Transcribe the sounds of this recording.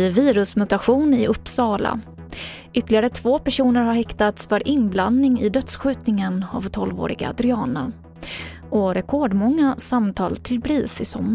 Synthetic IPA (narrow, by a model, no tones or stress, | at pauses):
viːɾɵsmʊt̪aɧuːnɪʔɵpːsɑːla̰ | ʏt̪ːlɪɡaɾət̪ʰvoːpæʂuːnəɾhaɾhɛkt̪at̪sfœɾʔɪnbland̪nɪŋɪ̰d̪œt̪sɧʉ̟ːt̪nɪŋəna̰vt̪ʰɔlvo̰ːɾɪ̰ɡa̰d̪ɾʏɑːna̰ | ɔɾɛkʰoːɖmɔŋːasamt̪ʰɑːlt̪ʰɪlbɾiːsɪsɔmː